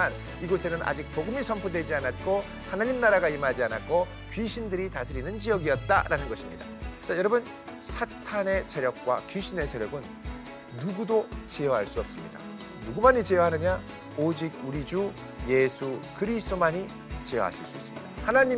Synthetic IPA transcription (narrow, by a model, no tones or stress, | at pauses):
an | iɡosʰe̞nɯnʔa̰d͡ʑik̚poɡɯmisʰʌmpʰudwe̞d͡ʑianat̚k͈o | hanaɲimnaɾaɡaimad͡ʑianat̚k͈o | kɥiɕʰindɯɾitasʰɯɾinɯnd͡ʑijʌɡiʌt̚t͈a̰ɾʔanɯnɡʌɕʰimɲida̰t͡ɕajʌɾʌbɯn | sʰatʰane̞sʰe̞ɾjʌk̚k͈wa̰kjuɕʰine̞sʰe̞ɾjʌɡɯnː | uɡudot͡ɕejʌɦaɭs͈uʌp̚s͈ɯmɲḭda̰ | nuɡumaɲit͡ɕeʌɦanɯɲa | od͡ʑiɡ̚uɾid͡ʑu | je̞sʰukɯɾisʰt͈omaɲi | t͡ɕeʌ̰ɦa̰ɕʰiɭs͈uis͈ɯmɲid̥a̰hanaɲi